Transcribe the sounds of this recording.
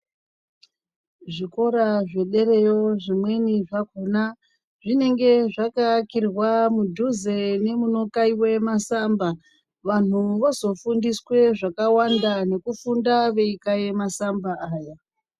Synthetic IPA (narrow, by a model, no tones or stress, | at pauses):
ʐiko̞ɾaʐe̞ɗe̞ɾe̞jo̞ʐimwe̞niʐakona | ʐine̞ŋɡe̞ʐakakirwamudʱuze̞ne̞muno̞kaiwe̞masamba | ʋan̤uʋozo̞fundiswe̞ʐakawandane̞kufundaʋe̞ikajemasambaːja